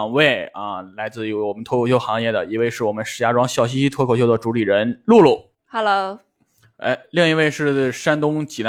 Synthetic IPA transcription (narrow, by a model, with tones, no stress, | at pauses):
ŋwe˥˩ɪa̰˧la˧˥ɪt͡sɹ̩˥˩˧wɔ˨˩mə˦nt̪ʰwɔ˥kʰo˧˩ɕjʊxɑ˧˥ŋjɛ˥˩d̪ə˩i˧˥we˥˧ɪʂɻ̩˥˩wɔ˨˩mə˦nʂɻ̩˧˩ja˧˥ʈ͡ʂwɑ˥ŋɕjɑ˥˩ʊɕ̬i˥ɕi˥t̪ʰɔ˥kʰʊɕjo˥˧ʊd̪ə˩ʈ͡ʂu˧˥li˨˩ɻə˧˥nlu˥˧lu˥˩ | hɑ˨˩lə˧˥ | ḛ˥ɪli˥˩ŋi˧˥we˥˧ɪʂɻ̩˥˩ʂa˥nt̪ʊ˥ŋt͡ɕi˨˩na˧